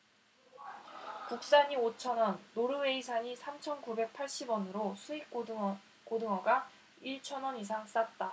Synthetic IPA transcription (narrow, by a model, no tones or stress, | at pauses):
kuk̚s͈aɲiot͡ɕʰʌnwʌnːoɾɯwe̞is̬ʰaɲisʰamt͡ɕʰʌnkube̞k̚pʰaɭɕ͈ibwʌnɯɾosʰuik͈ | k͈odɯŋʌɡa | iɭt͡ɕʰʌnwʌnis̬ʰaŋs͈at̚t͈a